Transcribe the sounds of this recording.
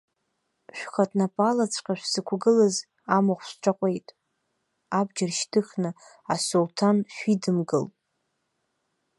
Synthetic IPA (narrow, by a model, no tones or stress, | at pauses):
ʃᶣʷχatʼnapʼalat͡sʷʰʼqʲʼaʃʷᶣsɨkʷʰɡɨlaz | amaχʷsʷʈ͡ʂʷʰaqʷʼe̞jtʼ | abd͡ʒarʃtʰɨχnɨ | asultʰanʃʷᶣidɨmɡɨlʼ